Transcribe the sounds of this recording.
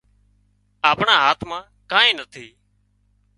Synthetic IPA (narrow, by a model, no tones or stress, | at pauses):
aːpɳaːɦaːt̪ʰmãː | kãːẽːnət̪ʰiː